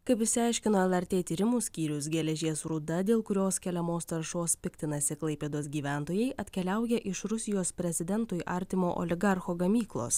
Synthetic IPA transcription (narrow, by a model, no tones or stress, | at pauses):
kɐɪpɪʃʲsʲɪɑˑɪʃʲkʲɪnoːɛlˠɐɾʲt̪ʲeːt̪ʲiːɾʲɪmuːsʲkʲiːɾʲʊsɡʲɛlʲɛʒʲeːsɾʊd̪ɐd̪ʲeːlˠkʊɾʲoːskʲɛlʲɛmoːst̪ɐɾʃoːspʲɪkʲt̪ʲɪnɐsʲɪklˠɐɪpʲeːd̪oːs̬ɡʲiːʋʲæˑnt̪oːjɛɪʔɐt̪ʲkʲɛlʲæˑʊjɛʔɪʃɾʊsʲɪjoːspʲɾʲɛzʲɪd̪ʲɛnt̪oːjʔɐ̰ɾʲt̪ʲɪmoːʔɔ̰lʲɪɡɑɾxoːɡɐmʲiːklˠo̰ːs